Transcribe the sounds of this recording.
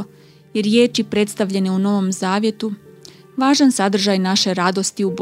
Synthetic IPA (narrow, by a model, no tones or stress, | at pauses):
je̞ɾje̞ːt͡ʃipɾe̞t̪st̪aʋʎe̞ne̞uno̞ʋo̞mzaːʋje̞t̪u | ʋaːʒansad̪r̩ʒajnaʃe̞ɾad̪o̞st̪iub